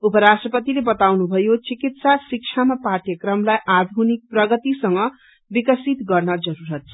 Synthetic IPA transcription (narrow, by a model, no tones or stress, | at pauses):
upʌɾasʈrʌpʌt̪ilebʌt̪awnubʱʌjot͡sikit̪sasik̚t͡ʃʰamapaʈjʌkrʌmlajʔad̪ʱunik̚prʌɡʌt̪isʌŋɡʌ | bikʌsit̪ɡʌrnʌd͡zʌɾuɾʌt̪̚t͡sʰʌ